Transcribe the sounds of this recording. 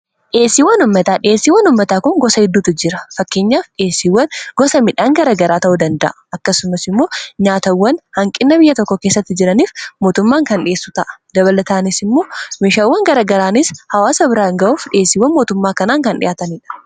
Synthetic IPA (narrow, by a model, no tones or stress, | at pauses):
ᶑɪeːsːiwɐnʊmːɐt̪aːᶑɪʔeːsːiːwːɐnʊmːɐt̪aːkʊŋɡɔsɐhɪd̪ːuːt̪ɪd͡ʒɪɾɐfɐkːeːɲːaːfᶑɪeːsːiwːɐnɡ̥ɔsɐmɪᶑaːŋɡɐɾaːɡɐɾaːt̪ɐʔud̪ɐnd̪ɐʔɐɐkːɐsʊmɐsɪmːo̞ːɲaːt̪ɐwːɐnhɐŋkʼɪnːɐbɪjːɐt̪ɔkːɔke̞ːsːɐt̪ːɪd͡ʒɪɾɐniːfmoːt̪ʊmːaːŋkɐnᶑɪeːsːʊt̪ɐʔɐ̥d̪ɐβɐlɐt̪aːnɪsɪmːo̞ːmeːʃaːwːɐŋɡɐɾaːɡɐɾaːnɪshɐwaːsɐbɪɾaːŋɡɐʔuːfᶑɪeːsɪːwːɐnmo̞ːt̪ʊmːaːkɐnaːŋkɐnᶑɪjʔaːt̪ɐniːᶑɐ̥